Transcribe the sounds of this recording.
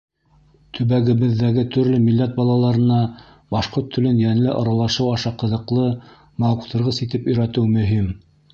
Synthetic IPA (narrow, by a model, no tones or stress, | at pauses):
t̪ʰɵ̆βæɡɘ̆βɘ̆ðːæɡɘt̪ʰɵ̆ɾlɵmilːæt̪̚bɑlˠɑlˠɑɾɤ̆nɑ | bɑʃqoɾt̪ʰːɵ̆lɵnjænlɘʔɑɾɑlˠɑʃɤwɑʃɑqɤ̆ðɤ̆qlˠɤ | mɑwqt̪ʰɤ̆ɾʁɤsit̪ɘpɵ̆jɾæt̪ɘwmɵ̆ɦim